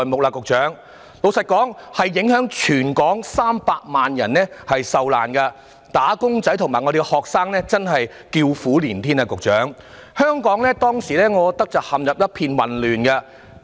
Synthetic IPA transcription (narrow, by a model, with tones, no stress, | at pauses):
jmʊ˨k̚laː˧kʊ˨k̚t͡ʃœː˨˥ŋ | lo˨˧wsɐ˨t̚kɔː˨˥ŋhɐ˨jːɪ˨˥ŋhœː˨˥ŋt͡ʃʰyː˨˩nkɔː˨˥ŋsaː˥mpaː˧k̚maː˨njɐ̰˨˩nːɛː˥hɐ˨jsɐ˨wla̰ː˨˩nkɐ˧ | t̪aː˨˥kʊ˥ŋt͡sɐ˨˥jt̪ʰʊ˨˩ŋmaː˨jŋɔ˧de˨˧ɡhɔː˨k̚saː˥ŋnɛː˥t͡sɐ˥nɦɐ˨j | kiː˧wfuː˨˥liː˨˩nt̪ʰiː˥naː˧kʊ˨k̚t͡ʃœː˨˥ŋ | hœː˥ŋkɔː˨˥ŋlɛː˥t̪ɔː˥ŋsiː˨˩lɛː˥ŋɔː˨˧t̪ɐ˥k̚t͡sɐ˨whɐ˨mjɐ˨p̚jɐ˥t̚pʰiː˧nwɐ˨nlyː˨nkɐ˧